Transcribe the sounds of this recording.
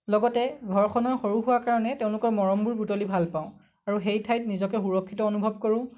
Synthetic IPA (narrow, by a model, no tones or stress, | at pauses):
lɔɡɔtɛɡʱɔɹkʰɔnɔɹxoɹuɦuwakaɹɔnɛteʊ̃lʊkɔɹmɔɹɔmbuɹbutolibʱalpaʊ̃ | aɹuxejtʰajt̚nizɔkɛxuɹɔkʰːitɔonubʱɔb̚koɹʊ̃